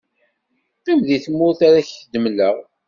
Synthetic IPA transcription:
qːimðiθəmːʊɾθaɾaçəd̪əmləʁ

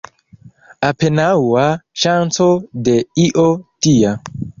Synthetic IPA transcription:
apenawaʃant͡so̞de̞iʔo̞tia

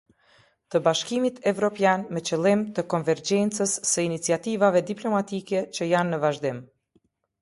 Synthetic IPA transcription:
t̪əbaʃkimit̪ʰɛvɾɔpjanmɛt͡ɕəlˠimt̪əkɔnvɛɾd͡ʑɛnt͡səsːəinit͡siat̪ivavɛd̪iplɔmat̪ikɛt͡ʃəjanːəvaʒd̪ɪm

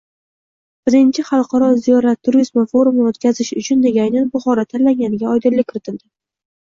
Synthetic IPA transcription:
b̥ɪɾɪnt͡ʃʰɪχɑlˠqɑɾɒzijɒɾat̪ʰːʊɾɪzmafo̞ɾʊmot̪kʲazɪʃʊt͡ʃʰʊnd̪e̞ɡʲajnanbʊχɒɾat̪ʰanlaŋɡʲanɪɡʲaɒjd̪ɪɾlɪkʲkʰːɪɾɪt̪ʰɪld̪ɪ

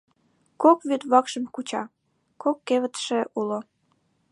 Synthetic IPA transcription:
kokβyt̪βɑkʃəmkut͡ɕɑ | kokːeβət̪ʃeʔulo

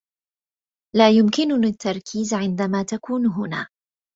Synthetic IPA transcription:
laːjʊmkɪnʊat̪ːɑɾˤkʰiːzʕɪnd̪amaːt̪akuːnɦʊna̰ː

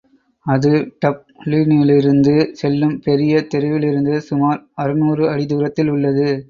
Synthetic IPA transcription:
ɐðɯʈɐp̚liːnɪlɪɾɯnd̪ɯsɛlːɯmpɛɾɪjɐt̪ɛɾɯʋɪlɪɾɯnd̪ɯsʊmaːɾɐɾɯnuːrɯɐɽɪðuːɾɐt̪ːɪlʊɭːɐðɯ

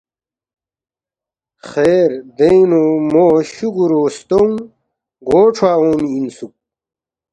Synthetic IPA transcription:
xeːɾd̪einomoːɕuɡuɾoːst̪oŋ | ɡoːʈ͡ʂʰwaːoːniinsuk̚

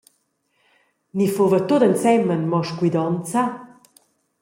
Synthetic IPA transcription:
nifovət̪od̪ənt͡sɛmənmɔʃkwid̪ɔnt͡sa

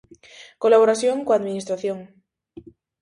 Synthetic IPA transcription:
kolaβ̞oɾaθjoŋkoaðminist̪ɾaθjõŋ

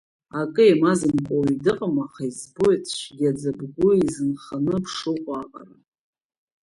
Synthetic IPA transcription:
akʼɨemazɨmkʷʼowidɨqʼamaχaizbojt͡sʰʃɡʲad͡zabɡʷʊizɨnχanɨpʰʂɨqʷʼaqʼa̰ra

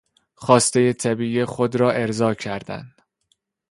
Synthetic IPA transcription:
xɒːst̪e̞je̞t̪ʰæbiːixod̪ɾɒːʔe̞ɾzɒːcʰæɾd̪æ̰nd̪̥

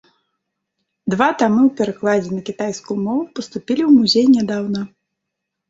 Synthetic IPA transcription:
d̪vat̪amɨwpʲɛɾaklˠad͡zʲɛnɐkʲit̪ajskujumɔvupɐst̪upʲilʲiwmuzʲejnʲɛd̪awnɐ

